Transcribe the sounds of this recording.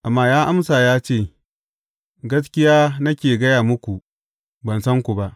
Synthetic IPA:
ʔa˨mːaː˦jaː˦ʔa˦msaː˨jaː˦t͡ʃeː˦˨ | ɡɐ˦s̬kʲɪ˦jaː˦nɐ˦kʲeː˨ɡɐ˦jaː˨mʊ˦kʷu˨ | bɐ˨nsɐ˦ŋkʷu˨ba˦ʔ

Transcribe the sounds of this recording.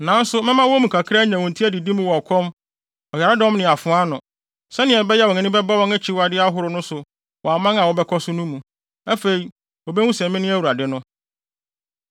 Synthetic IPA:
nã˨˦n˦sʊ˦mɪ̃˦mã˦wɔ˦mũ˨kʰa˨kʰɾa˦ɲã˨wɔ̃˨n̩˨tʰi˦æ˦dɪ˨di˦mũ˦wɔ˨ɔ˨kʰɔ˦m | ɔ˨ja˨ɾa˦dɔ̃˦mnɪ̃˨a˨fʊ̃˨˦a˦nʊ̃˨ | sɛ˦nɪ̃˨ɛ˨bɛ˦jɛ˦wɔ̃˨nɛ̃˦nɪ̃˦bɛ˦ba˦wɔ̃˦ŋɛ˦t͡ɕʰɪ˦wa˨dɪ˦a˦ɦʊ˦ɾʊ˦nʊ̃˦sʊ˨ | wɔ˨a˨mã˦ŋa˨wɔ˨bɛ˦kʰɔ˦sʊ˦nũ˦mũ˨ | æ˦fe˨ɾi˨ | wɔ˨bɛ̃˦ũ˦sɛ̃˨m˦mɪ̃˦nɪ̃˦æ˦wu˨ɾa˨dɪ˦nʊ̃˦

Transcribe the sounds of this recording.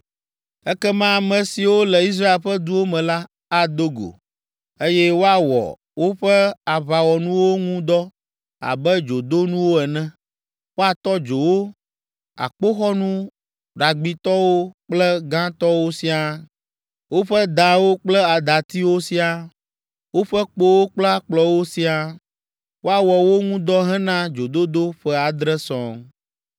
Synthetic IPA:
ɛ˦kɛ˦mã˦˨mɛ̃˨si˨wo˦lɛ˨i˦s̬ɾa˦e˨lɸɛ˦d̪u˦wo˦mɛ̃˨la˦ | a˨d̪o˦ɡo̰˨ | e˦jɛ˦wo˦a˨wɔ̰˨ | wo˦ɸɛ˦a˨βa˨wɔ˨nũ˦wo˦ŋũ˦d̪ɔ˦ | a̰˨bɛ˦d͡ʒo˨d̪o˦nũ˦wo˦ɛ˨nɛ̃˦ | wo˦a˨t̪ɔ˦d͡ʒo˨wo˦ | a̰˨k͡po˦xɔ˦nũ˦ | ɖa˨ɡ͡bi˨t̪ɔ˦wo˦k͡plɛ˦ɡã˦t̪ɔ˦wo˦si˦a˨ | wo˦ɸɛ˦d̪ã˨wo˦k͡plɛ˦a˨d̪a˨t̪i˦wo˦si˦a˨ | wo˦ɸɛ˦k͡po˦wo˦k͡plɛ˦a˦k͡plɔ˨wo˦si˦a˨ | wo˦a˨wɔ˨wo˦ŋũ˦d̪ɔ˦ɦɛ̃˦nã˦d͡ʒo˨d̪o˦d̪o˦ɸɛ˦a˨d̪ɾɛ˦sɔ̰̃˨

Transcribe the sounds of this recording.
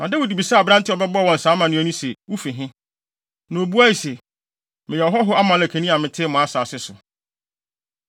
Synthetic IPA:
nã˨dɛ˦wo˨di˨bi˨sa˦a˨bɾã˦n˦tɪ˦ɔ˨bɛ˦bɔ˦˨wɔ̃˨n̩˨sãː˨˦mã˨nʊ̃˦ɛ˦nʊ̃˦se˨wu˦fi˨ɦɪ̃˦ | nã˨o˨bu˦a˦i˨se˨ | mɪ̃˨jɛ˨ɔ˨ɦɔ˦ɦʊ˦a˦mã˨˦læ˨kʰæ̃˨nĩ˦a˨mɪ̃˨tʰɪː˦mʊ̃˨a˦saː˨sɪ˦sʊ˨

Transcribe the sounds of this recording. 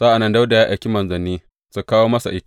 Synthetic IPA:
sa˦ʔa˨nːɐ˦nda˦wda˨jaː˦ʔa˨kʲi˦mɐ˨nzɐ˨niː˦ | su˨kaː˦woː˦mɐ˦sa̰˨ʔɪ˦ta˦˨

